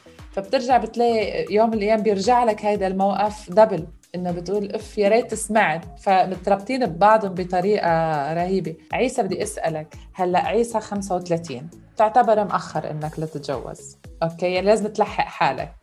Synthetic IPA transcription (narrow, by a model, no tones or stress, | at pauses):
fab̚t̪ɪɾʒaʕbɪt̪laːʔijoːmɪlʔajaːmbjɪɾʒaʕlakhajd̪almawʔafd̪abɪl | ʔɪnːobɪt̪ʔuːlʔɪfjaɾˤɑːt̪ːɪsmaʕɪt̪famɪt̪ɾˤɑb̚t̪ˤiːnɪbbɑʕd̪ˤʊmbit̪ˤɑɾiːʔaɾˤɑhiːbiʕiːsabɪd̪ːiʔasʔalakhalːaʔʕiːsaxamsawt̪alat̪ḭːn̚ | t̪ɪʕt̪abɑɾˤmʔaxːɑɾˤʔɪ̰nːaklat̪ɪt̪ʒa̰wːa̰z̥ʔoːkːeːjaʕnilaːzɪmɪt̪laħːa̰ʔħaːla̰k̚